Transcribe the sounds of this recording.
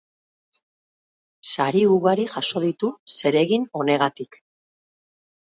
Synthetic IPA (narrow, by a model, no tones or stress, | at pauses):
saɾiuɣaɾiʝaʃo̞ðit̪use̞ɾe̞ɣino̞ne̞ɣ̞at̪ik